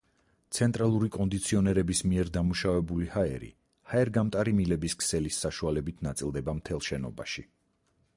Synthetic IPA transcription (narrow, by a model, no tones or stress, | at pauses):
t̪sʰɛnt̪ʼɾalˠuɾikʼɔnd̪it̪sʰiɔnɛɾɛbismiɛɾd̪amuʃavɛbulihaɛ̰ɾḭ | haɛɾɡamt̪ʼaɾimilɛbiskʰsɛlisːaʃualɛbit̪ʰnat̪sʼilˠd̪ɛbamt̪ʰɛlˠʃɛnɔ̰ba̰ʃi